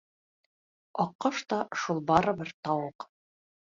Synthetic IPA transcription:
ɒqːɑʃt̪ɑʃulˠbɑɾɤ̆bɘɾt̪ɒwɤq

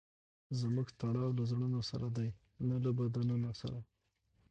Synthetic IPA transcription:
zmuɡt̪aɽɑwlazɽənosa̰ɾad̪aj | nalabad̪ananasa̰ɾa

